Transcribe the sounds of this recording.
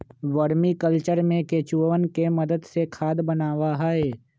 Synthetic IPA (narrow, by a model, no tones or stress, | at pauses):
ʋəɾmikəlt͡ʃəɾmẽkeːt͡ʃuʋənkemɐd̪əd̪sekʰaːd̪bənaːwaɦaːeː